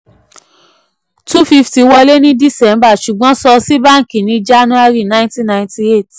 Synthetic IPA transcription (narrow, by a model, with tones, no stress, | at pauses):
tu˦fi˧fti˨˧wɔ˧le˦nĩ˦di˦sɛ˨˦m˦ba˦˨ʃu˨ɡ͡bɔ̃˨˦sɔ˧si˦ba˦˨ŋ̩˨ki˨nĩ˧d͡ʒa˦nũ˦a˧ɾi˦˨nã˦ntĩ˦na˧ĩnti˧e˦˨t